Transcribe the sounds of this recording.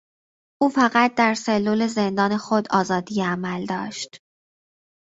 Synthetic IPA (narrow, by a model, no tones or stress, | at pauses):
ʔuːfæɣæt̪̚ʰd̪æɾse̞lːuːle̞zend̪ɒːnexod̪ɒːzɒːd̪ijeæmæld̪ɒ̰ːʃt̪